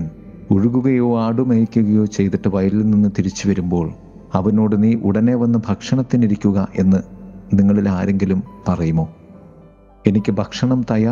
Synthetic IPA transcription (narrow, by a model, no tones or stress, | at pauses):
n | uɻuɣuɣɐjo̞ːaːɽumejikʲːuɣɐjo̞ːt͡ɕe̞jt̪iʈːɨʋɐjɐlilninːɨt̪iɾit͡ɕːuʋɐɾumbo̞ːɭ | ɐʋɐno̞ːɽɨniːʔuɽɐne̞ːʋɐnːɨbʱɐkʂɐɳɐt̪ːiniɾikʲːuɣɐʔe̞nːɨniŋːɐɭilaːɾe̞ŋɡilumpɐrɐjumo̞ː | e̞nikʲːɨbʱɐkʂɐɳɐmt̪ɐjaː